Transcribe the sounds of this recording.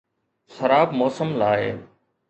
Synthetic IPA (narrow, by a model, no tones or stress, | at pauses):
xəɾaːbmoːsəmlaːɦḛː